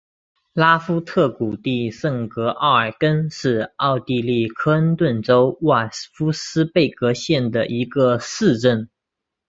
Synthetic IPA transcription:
la˥fu˥t̪ʰɤ˥˩ku˨˩t̪i˥˧ʂə˥˩ŋkɤ˧˥ʔɑa˥˩ə˞˨˩kə˥nʂɻ̩˥˧ɑ˥˧ʊt̪i˥˧li˥˩kʰɤ˥ə˥nt̪wə˥˩nʈ͡ʂo˥ʊwa˥˩fu˥sɹ̩˥pe˥˩ɪkɤ˧˥ɕjɛ˥˩nd̪ə˩ʔi˧˥ɡə˧sɹ̩˥˧ʈ͡ʂə˥˩n

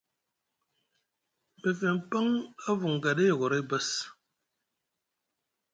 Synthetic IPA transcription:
bə˨fe˨m˦˨pə˦ŋə˦vu˨ŋ˨ɡa˨ɗe˦˨ɣo˨ɾe˦bə˦s

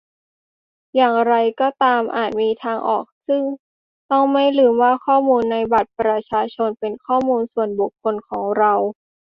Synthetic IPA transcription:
jaː˨˩ŋɾa˧jkɔː˧˩t̪aː˧mʔa̰ː˨˩t̪̚miː˧t̪ʰaː˧ŋʔɔ̰ː˨˩k̚sɯ˥˩ŋ | t̪ɔ˥˩ŋma˥˩jlɯː˨˩mwaː˥˩kʰɔː˥˩muː˧nːa˧jba˨˩t̪̚pɾa˧t͡ɕʰaː˧t͡ɕʰo˧npe˧nkʰɔː˥˩muː˧nsu˨˩ənbu˨˩kʰːo˧nkʰɔː˩˦ŋɾa˧w

